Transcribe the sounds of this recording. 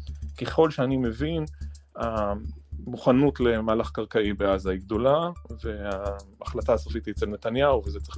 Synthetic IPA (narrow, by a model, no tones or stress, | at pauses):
keχo̞lʃeanime̞vina | muχanutle̞maːlaχkaʁkaibeazaiɡ̚d̪o̞lave̞aːχlataːsafit̪iet͡selnet̪anjauvezet͡sʁe